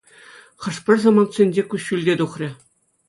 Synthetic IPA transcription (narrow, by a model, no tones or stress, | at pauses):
χɤ̆ʂpʲɘ̆rʲzɑmɑnt̪sʲenʲd͡ʑʲekuɕːylʲdʲed̪uχrʲɘ̆